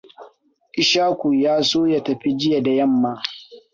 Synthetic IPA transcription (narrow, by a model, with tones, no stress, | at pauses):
ʔɪ˦ʃaː˦kʷu˨jaː˦soː˦ja˦tɐ˨ɸi˦d͡ʒɪ˦ja˨da˨jɐ˦˨mːaː˦